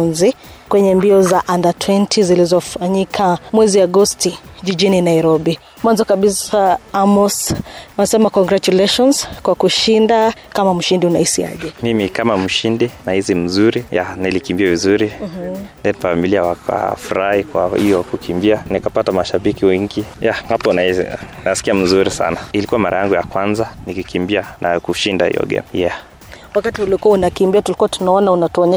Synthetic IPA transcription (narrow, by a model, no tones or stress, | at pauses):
nzikwɛɲɛmbiɔzaʔandatʰwɛntʰizilizɔfaɲikʰamwɛziaɡɔstiʄiʄininaiɾɔɓi | mwanzɔkaɓisaamɔsanasɛmakɔŋɡɾat͡ʃulɛʃɔnskwakuʃindakamam̩ʃindiuna̰hisia̰ʄɛmimikamam̩ʃindinahizim̩zuɾija̰nilikimbiavizuɾindɛnfamiliawakʰa̰fuɾahikwa̰ḭjɔkukʰimbianikapatamaʃaɓikiwiŋɡijaapɔnaiz̰nasi̥kiam̩zuɾisa̰nailikuwamaɾʔa̰jaŋɡuja̰kwanzanikikimbianakuʃindaḭjɔ̰ɡɛ̰nja | wakatiulikuaunakimbiatulikuwatunaɔnaunatuɔɲɛ